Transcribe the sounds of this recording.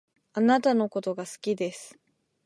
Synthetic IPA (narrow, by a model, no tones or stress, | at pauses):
anat̪ano̞ko̞t̪o̞ɡasɨ̥kʲid̪e̞sɨ̥